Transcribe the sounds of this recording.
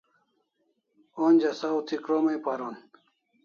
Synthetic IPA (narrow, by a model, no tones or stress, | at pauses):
onʲd͡ʑɐsawt̪ʰikɾomejpaɾon